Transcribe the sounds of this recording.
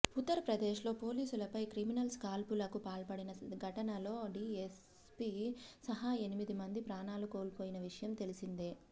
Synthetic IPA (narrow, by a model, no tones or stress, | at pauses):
ut̪ːɐɾɐpɾɐd̪eːʂlo̞ːpo̞ːliːsulɐpɐjkɾiminɐlskaːlpulɐkupaːlpɐɽinɐɡʱɐʈɐnɐlo̞ːɖiːes | pisɐɦae̞nimid̪imɐnd̪ipɾaːnaːluko̞ːlpoːjinɐʋiʂɐjɐmt̪e̞lisind̪eː